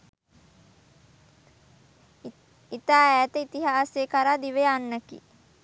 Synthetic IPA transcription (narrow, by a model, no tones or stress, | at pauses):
it̪aːæːt̪əit̪iɦaːsekaɾaːd̪iʋeanːəkḭ